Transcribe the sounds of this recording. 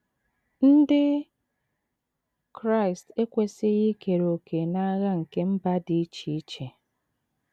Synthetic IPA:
n̩˦dɪ˦ | kɾa˦˨i˨ste˦kʷe˦sɪ˦ɣɪ˦ke˨ɾo˨kʰe˨na˦ɣa˦ŋ̩˨ke˦m̩˦ba˦dɪ˨i˦t͡ʃi˨i˦t͡ʃe˨

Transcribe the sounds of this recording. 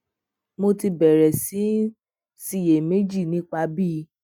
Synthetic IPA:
mo˧ti˧bɛ˨ɾɛ˨sĩ˨˦ | si˦˨je˨me˨˦d͡ʒi˦˨nĩ˦k͡pa˧bi˦

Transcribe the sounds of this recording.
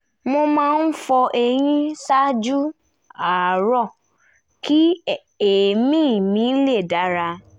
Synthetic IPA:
mo˧mãː˧n̩˦fɔ˧ʔɛ˧ɾ̃ĩ˦sa˦d͡ʒu˦ | a˨ɾɔ˦˨ | ki˦ | e˨mĩ˦˨mĩ˨˦le˦˨da˨˦ɾa˧

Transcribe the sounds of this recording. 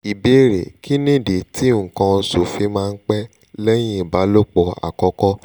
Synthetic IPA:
i˨be˨˦ɾe˨ki˦nĩ˦˨de˨ti˨˦ŋ̩˨kã˧su˨fi˧˦mãː˦˧n̩˦k͡pɛ˦ | lɛ˦j̃ĩ˦i˨ba˨˦lo˦k͡pɔ˨a̰˨kɔ˧kɔ˦

